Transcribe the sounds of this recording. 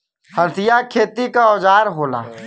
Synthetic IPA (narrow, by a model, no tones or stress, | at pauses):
hɐsɪjakʰeːt̪ikaɔːd͡ʒaːɾɦoːla̰ː